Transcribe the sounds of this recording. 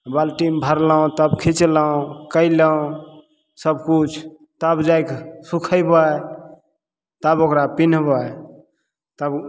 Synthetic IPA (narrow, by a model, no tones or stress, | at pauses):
balʈimbʱəɾləõt̪əbkʰit͡ʃləõkəjləũ | səbkut͡ʃʰ | t̪əbd͡ʒajksukʰəjbaj | t̪əbokɾapinbaj | t̪əb